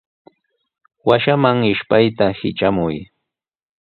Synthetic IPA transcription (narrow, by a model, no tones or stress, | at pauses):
waʃamaŋɪʃpajt̪ahɪ̰t͡ʃamʊj